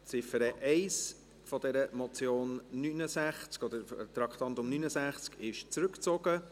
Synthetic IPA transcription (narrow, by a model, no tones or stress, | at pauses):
t͡sɪfəɾəʔɛɪs | fɔdɛɾəmɔt͡sjoːnːynəsæχt͡skɔd̪əɾt̪ɾɑkχt̪ɑnt̪ʊmnyːnəsæχt͡skɪʃt͡sɾʉkt͡sɔɡ̥ə